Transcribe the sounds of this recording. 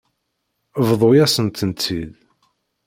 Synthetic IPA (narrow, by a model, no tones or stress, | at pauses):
vðˤojæsənt̪ənt̪ʰːið